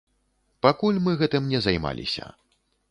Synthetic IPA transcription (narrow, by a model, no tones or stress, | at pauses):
pakulʲmɨɣɛt̪ɨmnʲɛzajma̰lʲḭsʲɐ̰